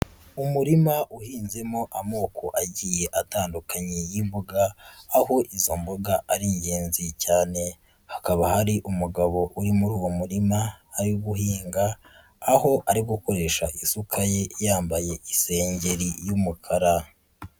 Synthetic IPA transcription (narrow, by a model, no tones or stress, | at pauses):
umuɾimaʔuhiːnze̞mo̞ʔamoːkoʔaɟije̞ʔataːndukʰaɲejimbuɡaːɦo̞ʔizo̞mboɡaʔaɾiɲɟeːnzicaːne̞ | hḁkaβahaɾiʔumuɡaβo̞ʔuɾimuɾuːwo̞muɾimaːɾiɡuɦiːŋɡaː | ho̞ʔaɾiɡuko̞ɾe̞ʃaʔisukʰaje̞jaːmbaje̞ise̞ːɲɟe̞ɾijumukʰaɾa